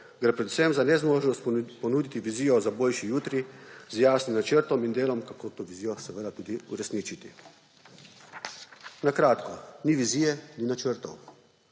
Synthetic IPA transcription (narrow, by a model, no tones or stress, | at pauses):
ɡɾepɾɛd̪u̥semzanɛzmoːʒnɔst̪pɔnuːd̪it̪iʋiziːjɔzaboːlʃijuːt̪ɾizjaːsnimnat͡ʃəɾt̪ɔmind̪eːlɔmkakoːt̪oːʋiziːjɔsɛʋəːd̪at̪uːd̪iṵɾɛsnit͡ʃit̪ḭ | nakɾaːt̪kɔniʋiziːjɛninat͡ʃəɾt̪ɔ̰w